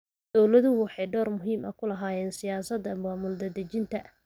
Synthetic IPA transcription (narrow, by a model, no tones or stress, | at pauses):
d̪̥ɔwlɐðʊʊwħɑjɖɔːrmʊɦiːmʔɐ̰kʰʊlɐɦaːjɛːnsɪjaːsɐd̪ɐmaːmʊld̪ɐd̪ɐt͡ʃɪnt̪ʰɐ